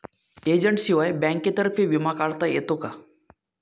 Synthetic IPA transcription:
ed͡ʑəɳʈɕiʋajbɛ̃ŋket̪əɾfiʋimakaɭt̪əjḛt̪oka

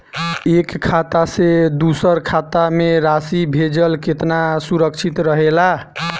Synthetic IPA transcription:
ekkʰːat̪ased̪usəɾkʰat̪ameɾasibʱed͡ʒəlket̪nasuɾəkt͡ʃʰit̪ɾəɦela

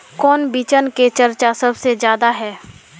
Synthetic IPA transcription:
kɔːnbit͡ʃənket͡ʃɐɾt͡ʃasɐbsezjaːd̪aɦɛː

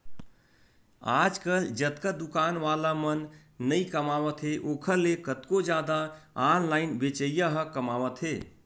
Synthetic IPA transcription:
ad͡ʒkəld͡ʒət̪kəd̪ukanʋalamənː | əikəmaʋət̪ɦeʔoːkʰəɾlekət̪kod͡ʒad̪aanlaɪnbet͡ʃəjjəɦəkəmaʋət̪ɦe

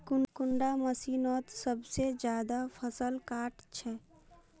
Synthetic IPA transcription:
kʊnkʊɳɖaməsiːnɔːt̪səbsed͡ʒjaːd̪apʰəsəlkaːʈt͡ʃʰɛ

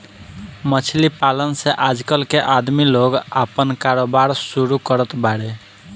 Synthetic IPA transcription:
mət͡ʃʰlipalənseʔad͡ʒkəlkeʔad̪miloɡapənkaɾobaɾsuɾukəɾət̪baɽe

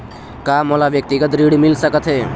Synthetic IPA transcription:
kaːmolaʋjək̚t̪iɡət̪ɾiːɽmɪlsəkət̪ɦeː

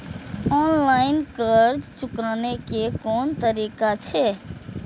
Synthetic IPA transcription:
ɔnlaɪnkəɾd͡ʒt͡ʃukanekekont̪əɾikat͡ʃʰɛ

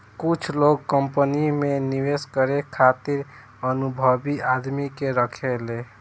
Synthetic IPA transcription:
kʊt͡ʃʰloɡ̚kəmpənimẽniʋeskəɾekʰaːt̪iɾ | ənubʱəbiad̪mikeɾəkʰeleː

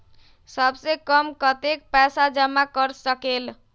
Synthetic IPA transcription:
səbsekəmkət̪ek̚pɛsad͡ʒəmakəɾsəkel

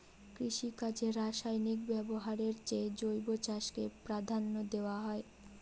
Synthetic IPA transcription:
kɾiʃikad͡ʑeɾaʃajnik̚bɛboɦaɾeɾt͡ɕed͡ʑojbot͡ɕaʃkepɾad̪ʱanːod̪eoaɦɔe

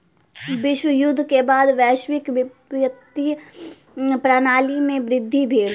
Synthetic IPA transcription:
bɪʃwəjʊd̪ʱːkebaːd̪ʋɛːʃwɪkʋ | ət̪i | pɾaːnaːlimẽbɾɪd̪ʱːibʱeːl

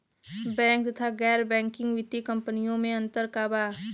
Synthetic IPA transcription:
bɛ̃ːŋk̚t̪ɐt̪ʰaɡɛːɾbɛ̃ːŋkɪ̃ŋɡʋɪt̪ikə̃mpənijõmẽɐ̃nt̪əɾkaːbaː

